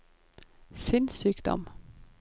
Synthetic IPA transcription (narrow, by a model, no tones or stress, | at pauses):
sɪnsyːkd̪ɔ̰m